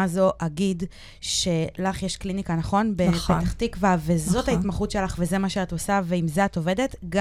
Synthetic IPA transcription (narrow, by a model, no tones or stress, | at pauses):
azoʔaɡid | ʃe̞laχjeʃklinikanaχo̞nbebet̪aχtikvave̞zo̞thaitmaχutʃe̞laχve̞ze̞maʃeatosaveimzeato̞ve̞de̞tɡ